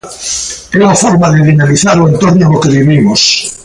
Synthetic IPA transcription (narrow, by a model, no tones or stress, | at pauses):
euafoɾmaðeðinaliθaɾoẽnt̪oɾnalokeβiβimos